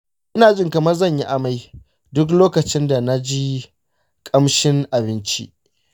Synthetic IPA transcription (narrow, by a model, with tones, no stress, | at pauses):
ʔɪ˦naː˨d͡ʒɪ˦ŋkɐ˨mɐ˦rzɐ˦˨ɲji˦ʔa˨ma˦j | dʊ˦k̬loː˦kɐ˨t͡ʃɪ˦nda˨na˦d͡ʒi˦ | kʼɐ˦mʃɪ˦ŋʔa˨bɪ˦nt͡ʃḭ˦